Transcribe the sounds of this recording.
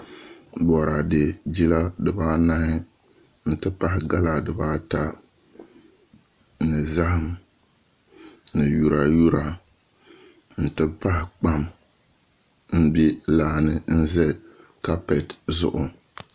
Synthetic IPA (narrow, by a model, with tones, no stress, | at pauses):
bɔ˨ɾa˨de˨d͡ʒi˦la˦dɨ˨baː˦na˦hɪ˦ | n̩˦tɨ˦pa˦hɪ˨ɡa˦la˨dɨ˨baː˦ta˦ | nɨ˨za˦hɪ˦m | nɨ˨ju˨ɾa˨ju˦ɾa˨ | n̩˨tɨ˦pa˦hɪ˨k͡pa˦m | m̩˦bi˦laː˦nɨ˦n̩˦zɛ˦ | ka˦pɛ˨tzʊ̰˦ʔʊ˨